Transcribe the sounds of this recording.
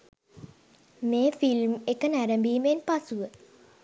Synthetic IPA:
meːfilmekənæɾəmbiːmenpasuʋə

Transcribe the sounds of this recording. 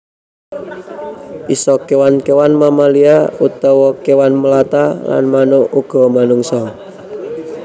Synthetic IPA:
ʔisɔkewankewanmamaliaut̪ɔwɔkewanməlat̪ala̰nmanouɡ̥ɔ̤manuŋsɔ

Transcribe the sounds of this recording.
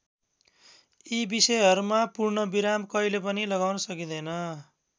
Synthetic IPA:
ibisʌjɦʌɾumapurnʌbiɾamkʌɦilep̬ʌnilʌɡawnʌsʌkid̪ʌjnʌ

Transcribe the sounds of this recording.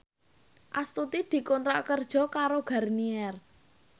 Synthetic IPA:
ʔast̪ut̪id̪̥i̤kɔnt̪ɾaʔkərd̥ʒ̥ɔ̤kaɾoɡ̥a̤rniɛr

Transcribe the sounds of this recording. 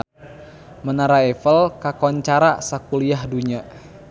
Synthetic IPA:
mənaɾaɛfəlkakɔɲt͡ʃaɾasakuliahduɲa

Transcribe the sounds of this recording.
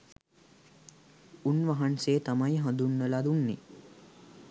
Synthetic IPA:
unʋaɦanseːt̪amajɦãnd̪unːəlad̪unːi

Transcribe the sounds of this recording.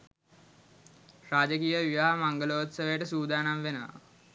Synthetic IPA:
raːd͡ʒəkijəʋiʋaɦamaŋɡəloːt̪səʋejəʈəsuːd̪aːnamʋenəʋa̰

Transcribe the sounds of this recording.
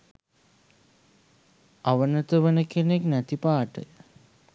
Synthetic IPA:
aʋənət̪əʋənəkeneknæt̪ipaːʈə̰jə

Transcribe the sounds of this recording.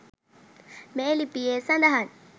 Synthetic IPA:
mɛelipijesandaɦan

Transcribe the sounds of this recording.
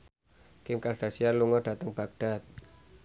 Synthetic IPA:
kɪŋkarɖ̥a̤sianluŋɔɖ̥a̤t̪əŋb̥a̤k̚ɖ̥a̤t̪̚

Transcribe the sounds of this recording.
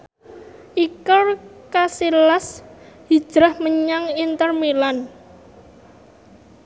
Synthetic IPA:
ʔikɔrkasilashid̥ʒ̥ɾahməɲaŋint̪ərmilan

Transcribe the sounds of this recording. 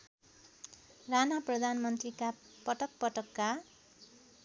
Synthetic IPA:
ranaprʌd̪ʱanmʌnt̪rika | pʌʈʌk̚pʌʈʌkːa

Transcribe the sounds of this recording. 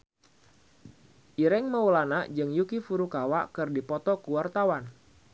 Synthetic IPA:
ʔiɾɛŋməulanaʔd͡ʒɨŋjukifuɾukawaʔkɨrdipɔt̪ɔkuwart̪awan

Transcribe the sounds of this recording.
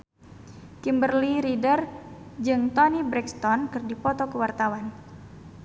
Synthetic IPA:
kimbərliɾidərd͡ʒɨŋt̪ɔnibɾɛkst̪ɔnkɨrdipɔt̪ɔkəwart̪awan

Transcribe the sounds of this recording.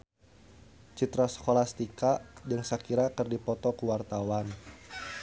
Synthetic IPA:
t͡ʃit̪ɾasə̥kolast̪ikad͡ʒəŋsakiɾakɨrdipɔt̪ɔkuwart̪awan

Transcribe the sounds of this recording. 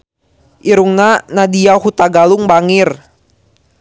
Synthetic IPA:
ʔiɾuŋnanadiahut̪aɡaluŋbaŋir

